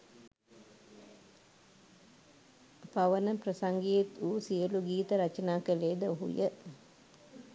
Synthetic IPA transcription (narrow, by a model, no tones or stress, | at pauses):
paʋənəprəsaŋɡejet̪uːsijəluɡiːt̪əɾat͡ʃənaːkəleːd̪əoɦṵjə